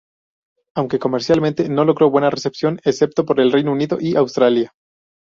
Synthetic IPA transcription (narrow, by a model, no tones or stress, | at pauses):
awŋke̞ko̞me̞ɾsjalmẽ̞nt̪e̞no̞lo̞ɣɾo̞βwe̞nare̞se̞psjo̞nese̞p̚t̪o̞po̞ɾe̞lre̞jnouniðo̞ʔiʔawst̪ɾalja